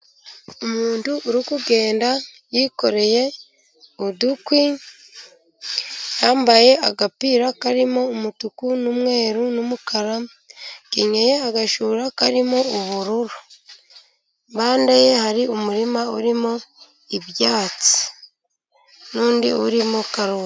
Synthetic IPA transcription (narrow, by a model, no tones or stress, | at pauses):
umuːntuʔɾikuɡe̞ːnda | jiko̞ɾe̞je̞ | udukwi | jaːmbaje̞aɡapiːɾakaɾimo̞umutukunumŋe̞ːɾunumukʰaɾa | kiɲejeaɡaʃuːɾakaɾimouβuɾuɾu | mbaːndaje̞haɾiumuɾimauɾimo | iβjaːt͡si̥ | nuːndḭo̰ɾimokaɾoːɾa